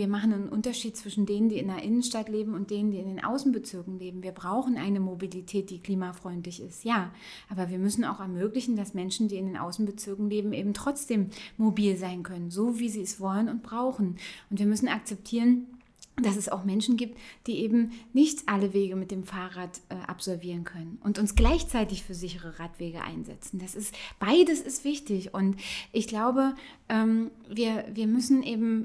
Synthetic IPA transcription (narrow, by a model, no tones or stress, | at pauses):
viːɐmaχn̩annʔʊntɐʃiːt̚t͡sv̥ɪʃn̩deːnəndiːɪndɐʔɪnənʃtatleːbm̩ʊnt̚d̥eːnəndiːɪndeːnʔa̰ʊsn̩bət͡sɪɐkŋ̩leːbm̩viːɐbʁaʊxn̩ʔa̰ɪnəmobilitʰɛːt̚d̥iːkl̥iːmafʁ̥ɔʏntlɪçɪstjaː | ʔaːbɐviːɐmʏsn̩a̰ʊxɛɐmøːklɪçn̩dasmɛnʃn̩diːɪndeːnʔa̰ʊsn̩bət͡sɪɐkŋ̩leːbm̩ʔḛːbm̩tʁ̥ɔt͡sd̥eːmːobiːlzaɪnkʰœnənzoːviːziːɛsv̥ɔlənʊntb̥ʁaʊxn̩ʔʊntv̥iːɐmʏsn̩ak̚t͡sɛp̚tʰiːʁən | d̥asɛsa̰ʊxmɛnʃn̩ɡiːp̚td̥iːʔeːbm̩nɪçtʔaləveːɡəmɪt̚d̥eːmfaːʁaːtʔɛːʔa̰pz̥ɔlviːʁ̞ənkʰœnənʔʊntʊnsɡ̥laɪçt͡saɪtɪçfyːɐzɪçəʁəʁaːtv̥eːɡəʔa̰ɪnzɛ̰t͡sn̩d̥asɪstb̥aɪdəsɪstv̥ɪçtɪçʊntʔɪçɡ̥laʊbə | ʔɛːm | viːɐviːɐmʏsn̩ʔeːbm̩